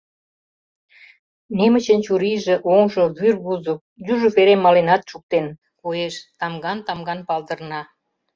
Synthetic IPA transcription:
nemə̆t͡ɕə̆nt͡ɕuɾiʒĕʔoŋʒoβyrβuzŏk̚juʒŏfeɾemːɑlenɑt̪ʃuk̚t̪en | kojeʃt̪ɑmɡɑnt̪ɑmɡɑnpɑld̪ə̆rnɑ

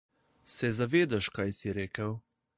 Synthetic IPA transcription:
sɛzaʋeːd̪aʃkajsiɾeːkəw

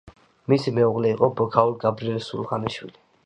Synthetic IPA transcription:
misimɛuʁlɛiqʼɔbɔkʰaulɡabɾiɛlsṵlʁaniʃwḭli

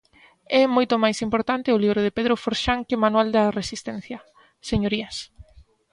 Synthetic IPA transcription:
ɛmojt̪ʊmajsimpoɾt̪ant̪ɪʊliβɾoð̞epeðɾofoɾʃaŋkɪmanwald̪ɐresist̪ɛn̟θjɐ | seɲoɾiɐs

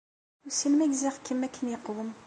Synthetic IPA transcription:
ʊsinmæɡziʁkʰːəmːækʰːənjəqːwəm

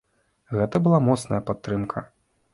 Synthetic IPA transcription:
ɣɛt̪ɐbɨlˠamɔt̪snɐjɐpat̪ːɾɨmkʰɐ

